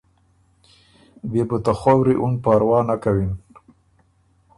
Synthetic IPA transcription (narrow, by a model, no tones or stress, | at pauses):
bebət̪axawɾiʔunpaɾwɑnakawin